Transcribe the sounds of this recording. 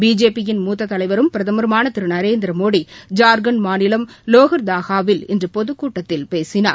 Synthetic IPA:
biːd͡ʒeːpːɪjɪnmuːt̪ːɐt̪ːɐlɐɪʋɐɾɯmpɪɾɐðɐmɐɾmaːnɐt̪ːɪɾɯnɐɾeːnd̪ɪɾɐmoːɽid͡ʒaːɾɡɐnmaːnɪlɐmloːɣɐɾd̪aːɣaːʋɪlɪ̰ndrɯpɔðɯkːuːʈːɐt̪ːɪlpeːsɪna̰ː

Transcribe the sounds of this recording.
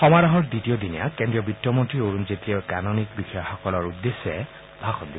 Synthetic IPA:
xɔmaɹɔɦɔɹditiod̪inija̰kendɹiɔbitːɔmɔntɹioɹunzetɹiɔkanonik̚bixɔjɔxɔkɔlɔɹudːesːɛ̰ | bʱaxɔd̪i

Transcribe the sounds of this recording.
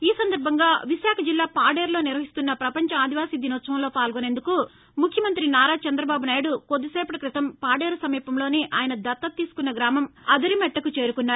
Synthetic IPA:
iːsɐnd̪ɐɾbʱɐŋɡaːʋiʃaːkʰɐd͡ʒilːaːpaːɖeːɾlo̞ːniɾʋɐɦist̪unːɐpɾɐpɐɲt͡ʃɐaːd̪ʱiʋaːsid̪inɔːsɐ̃mlo̞ːpaːlɡone̞ːnd̪uku | mukʰjɐmɐnt̪ɾinaːɾaːt͡ʃɐnd̪ɾɐbaːbunaːjɽukod̪ːiseːpɐʈɐkɾit̪ɐmpaːɖeːɾusɐmiːpɐmlo̞ːneːʔaːjɐnɐd̪ɐt̪ːɐt̪iːsu̥kunːɐɡɾaːmɐmɐd̪ɐɾimɛʈːɐkut͡ʃe̞ːɾukunːaːɾu

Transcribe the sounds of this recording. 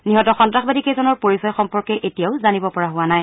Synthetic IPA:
niɦɔtɔxɔntɹaxbadikesɔnɔɹpoɹisɔjxɔmpɔɹkɛʔetijaʊzanibɔpɔɹaɦʊwanaj

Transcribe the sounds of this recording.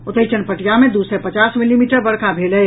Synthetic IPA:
ʊt̪əit͡ʃənpəʈijamed̪usɛpət͡ʃasmilimiːʈəɾbəɽkabʱelɛ

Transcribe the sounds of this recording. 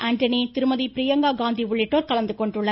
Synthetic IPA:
ʔaːɳʈɐnit̪ɪɾɯmɐðipɪɾɪjɐŋɡaːɡaːnd̪iʊɭːɪʈːoːɾkɐlɐnd̪ɯkɔɳɖɯɭːɐ

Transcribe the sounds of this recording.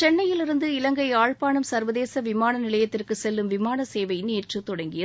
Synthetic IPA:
t͡ʃɛnːɐjɪlɪɾɯnd̪ɯɪlɐŋɡɐɪaːɻpaːnɐmsɐɾʋɐðeːsɐʋɪmaːnɐnɪlɐjɐt̪ːɪrkɯsɛlːɯmʋɪmaːnɐseːʋɐɪneːrrɯt̪ːɔɽɐŋɡɪjɐ

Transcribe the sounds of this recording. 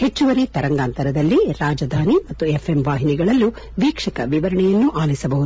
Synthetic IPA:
het͡ʃːuʋɐɾit̪ɐɾɐŋɡaːnt̪ɐɾɐd̪ɐlːiɾaːd͡ʒɐd̪ʱaːnimɐt̪ːuefʰemʋaːɦiniɡɐɭɐlːu | ʋiːkʂɐkɐ̰ʋiʋɐɾɐɳɛjɐnːuʔaːlisɐbɐɦud̪

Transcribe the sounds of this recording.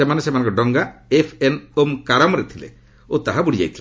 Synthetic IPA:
emanesemanŋkɔɖɔŋɡaefʰenomkaɾɔmɾet̪ʰilḛ | ot̪aɦabuɽid͡ʒa̰jt̪ʰila

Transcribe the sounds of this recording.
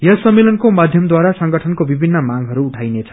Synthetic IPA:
jʌsʌmːelʌnkomad̪ʱjʌmd̪waɾasʌŋɡʌʈʰʌnkobibʱinːʌmaŋɦʌɾuːʈʰajnet͡sʰʌ̥

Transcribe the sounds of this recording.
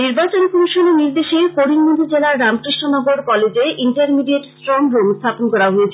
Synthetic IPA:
niɾbat͡ɕonkomiʃoneniɾd̪eʃekoɾiŋmod̪ʱid͡ʑelaɾːamkɾiʃʈonɔɡoɾkɔled͡ʑeʔiɳʈaɾmiɖieʈsʈɾɔmɾomst̪ʰaponkɔɾaɦoet͡ɕʰe

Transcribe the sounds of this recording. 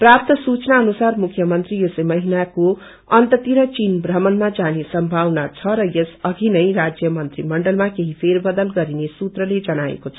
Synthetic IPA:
prap̚t̪ʌsut͡snaʌnusarmukʰjʌmʌnt̪rijesemʌɦinako | ʌnt̪ʌt̪iɾʌt͡sinbrʌmʌnmad͡zanesʌmbʱawnat͡sʰʌɾʌjesʌɡʱinʌjrad͡zjʌmʌnt̪rimʌɳɖʌlmakeɦipʰerbʌd̪ʌlɡʌɾinesut̪rʌled͡zʌnaḛkot͡sʰʌ

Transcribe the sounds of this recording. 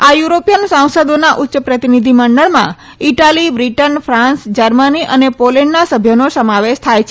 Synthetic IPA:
ajuɾopijənsãw̃səd̪onaʔʊtːʃəpɾət̪inid̪ʱiməɳɖəɭmã̰ | iʈalibɾiʈənfʰɾãnsd͡ʒəɾməniʔənepoleɳɖnasəbʱjənosəmaʋeʃt̪ʰajt͡ʃʰe

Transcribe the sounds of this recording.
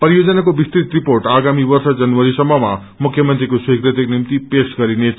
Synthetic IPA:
pɾijod͡zʌnakobist̪ɾit̪riporʈaɡamibʌrsʌd͡zʌnwʌɾisʌmːʌma | mukʰjʌmʌnt̪ɾikoswikrɾit̪iknimt̪ipesɡʌɾine

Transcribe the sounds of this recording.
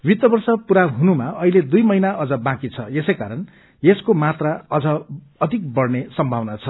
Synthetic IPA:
wit̪ːʌbʌrsʌpuɾaɦunumaʌɦiled̪ujmʌjnaʔʌd͡zʌbãkit͡sʰʌesʌjkaɾʌn | jeskomat̪raʌd͡zʌ | ʌd̪ʱik̚bʌrnesʌmbʱawnat͡sʰʌ

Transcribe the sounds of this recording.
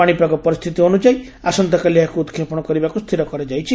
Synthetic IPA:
aɽ̃ipakɔpɔɾist̪ʰit̪iɦonud͡ʒaj | asɔnt̪ɔkaliakuːt̪kʰepɔɽ̃ɔkɔɾibakust̪ʰiɾɔkɔɾed͡ʒajt͡ʃʰi

